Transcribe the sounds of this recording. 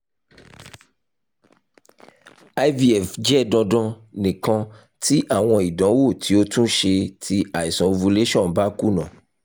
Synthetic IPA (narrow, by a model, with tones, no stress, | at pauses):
a˦jvi˦ɛ˨fd͡ʒɛ˦˨dɔ̃˧dɔ̃˧nĩ˨kɔ̃˧ | tʰi˦ʔa˨w̃ɔ̃˧i˨dɔ̃˨˦wo˦˨tʰi˨˦o˦tũ˦ʃe˧tʰi˧a˨i˨sɔ̃˨˧vu˧le˦ʃɔ̃˦˨ba˦ku˦nã˨